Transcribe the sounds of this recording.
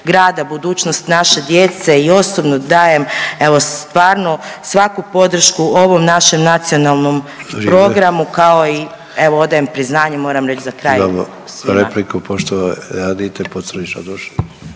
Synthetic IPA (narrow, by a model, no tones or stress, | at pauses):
ɡɾaːd̪abud̪uːt͡ɕnost̪naʃe̞d̪jet̪se̞io̞sobnod̪aːje̞me̞ʋo̞st̪ʋaːɾnosʋakupo̞d̪ɾ̩ʃkuo̞ʋo̞mnaʃe̞mnat̪sio̞nalˠno̞mpɾo̞ɡɾamukao̞i | e̞ʋoo̞d̪ajempɾiznaːɲemo̞ːɾamɾet͡ʃzakɾaːj | ɾeplikupoʃt̪oʋaad̪it̪epot̪sɾniʃad̪oʃ